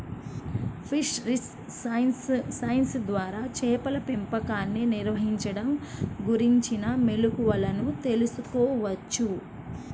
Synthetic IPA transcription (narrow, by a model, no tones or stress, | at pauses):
pʰiʂɾis | sɐjnsd̪ʋaːɾaːt͡ʃɛːpɐlɐpempɐkaːnːiniɾʋɐɦiɲt͡ʃɐɽɐmɡuɾiɲt͡ʃinɐmelukuʋɐlɐnut̪e̞lusukɔːʋɐt͡ʃːu